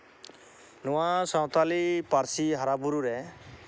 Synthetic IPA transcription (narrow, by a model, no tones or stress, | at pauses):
nuwasɔwt̪alipaɾsiɦaɾabuɾuɾe